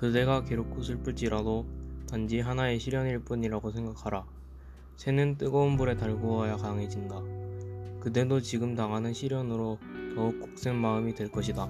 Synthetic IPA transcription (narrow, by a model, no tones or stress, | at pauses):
kɯde̞ɡake̞ɾok͈ʰusʰɯɭp͈uɭt͡ɕ͈iɾadotand͡ʑiɦanae̞ɕʰiɾjʌniɭp͈uɲiɾaɡosʰe̞ŋɡakʰaɾa | sʰe̞nɯnt͈ɯɡʌunbuɾe̞taɭɡoajakaŋɦe̞d͡ʑinda | kɯde̞dot͡ɕiɡɯmtaŋɦanɯnɕʰiɾjʌnɯɾotʌuk͈ok̚s͈eŋmaɯmidwe̞ɭk͈ʌɕʰida